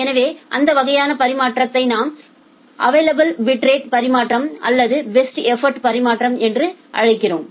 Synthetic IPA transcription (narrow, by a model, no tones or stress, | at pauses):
ɛnɐʋeːʔɐnd̪ɐʋɐɣɐjaːnɐpɐɾɪmaːʈrɐt̪ːɐɪnaːm | ʔɐʋɐːlɐbɐlʋɪʈɾeːʈ̚pɐɾɪmaːʈrɐmʔɐlːɐðɯbɛsʈɛfɐɾʈpɐɾɪmaːʈrɐmɛndrɯʔɐ̰ɻɐɪkːɪroːm